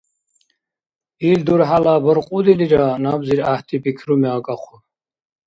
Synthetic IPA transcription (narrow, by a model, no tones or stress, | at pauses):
ild̪uɾħalaːbəɾqʼud̪iliɾanabziɾaht̪ʰibikʰrumɛaɡʼaχʰu